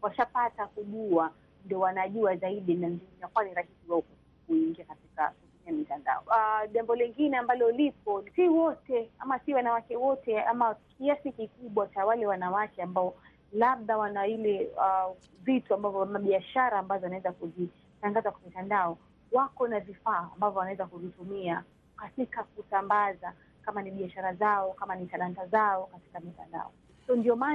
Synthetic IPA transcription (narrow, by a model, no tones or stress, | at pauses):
waʃapatakuʄua | ndɔwanaʄuazaiɗinanzinakuaniɾakisiwaɔk | kuiŋɡiakatika̰kupikiamitanda̰ɔʄambɔlɛŋɡinɛambalɔlipɔsiwɔtɛamasiwanawakɛwɔtɛamakiasikikuɓwat͡ʃawalɛwanawakɛambaɔ | laɓðawanailɛa | vituambavɔmaɓiaʃaɾaːmbazɔanaɛzakuzi | taŋɡazakwamitandaɔ | wakɔnavifa̰ːmbavjɔwanawɛzakuzitumia | katikak̚usambaza | kamaniɓiaʃaɾazaɔkamanitalantazaɔkati̥kamita̰nda̰ɔ | sɔɔndiɔma